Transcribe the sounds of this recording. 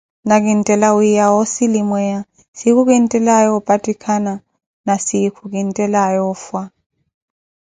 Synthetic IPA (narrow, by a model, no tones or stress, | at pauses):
nak̬intʼɛlawjawosilimwɛja | sik̬uk̬intʼɛlajɔɔpʼatʼikʰana | nasikʰuk̬intʼɛlajɔfwa